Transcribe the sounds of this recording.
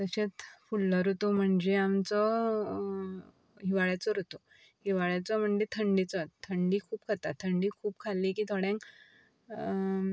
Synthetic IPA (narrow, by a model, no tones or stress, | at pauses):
t̪əɕet͡sfulːəɾot̪om̤əɳd͡zeamt͡sɔ | ɦiʋaɭjat͡sɔɾot̪o | ɦiʋaɭjat͡sɔm̤əɳd͡ʑet̪ʰəɳɖit͡sɔt̪ʰːəɳɖiːkʰuːp̚kʰət̪at̪ʰːəɳɖiːkʰuːp̚kʰalːiːkiːt̪ʰɔɽjãŋk